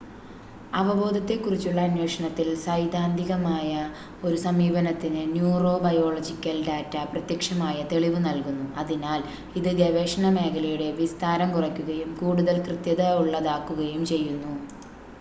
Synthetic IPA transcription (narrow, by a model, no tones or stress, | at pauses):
ɐʋɐbo̞ːd̪ʱɐt̪ːe̞kːurit͡ɕːuɭːɐːnjwe̞ːʂɐɳɐt̪ːilsɐjd̪ʱaːnd̪ʱiɣɐmaːjɐ | o̞ɾusɐmiːbɐnɐt̪ːinɨnjuːro̞ːbɐjo̞ːɭɐd͡ʑikʲːɐlɖaːtːɐprɐt̪jɐkʂɐmaːjɐt̪e̞ɭiʋɨnɐlkunːuɐðinaːl | iðɨdɐʋeːʂɐɳɐme̞ːkʰɐlɐjuɽe̞ʋist̪aːɾɐmkurɐkʲːuɣɐjumkuːɽuðɐlkrɨt̪jɐðɐuɭːɐðaːkːuɣɐjumt͡ɕe̞jːunːu